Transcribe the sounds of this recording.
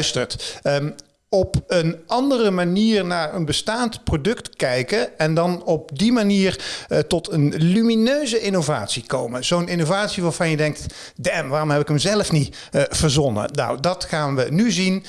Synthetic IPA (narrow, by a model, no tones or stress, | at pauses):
stəɹt | ɔpənɑndərəmaniːɹnaːɹənbəstaːntprodɵktkɛjkəɛndɑnɔp̚dimaniːɹtɔtʰənlyminøɥzəʔɪnova̰ːtsikowməz̥ownɪnovaːtsiʋaːɹvɑnjədɛŋk̚t | dɛmʋaːrɔmɦɛpɪkəmzɛləfni | v̥əɹzɔnə̰na̰wdɑtχaːnʋənyzin